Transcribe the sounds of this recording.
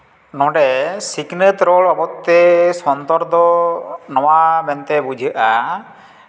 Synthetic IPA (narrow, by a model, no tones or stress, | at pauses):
nɔ̃ɖɛsiknət̪ɾɔlabɔt̪ːɛsɔnd̪ɔɾd̪ɔnɔwabɛnt̪ɛbud͡ʒʱəʔa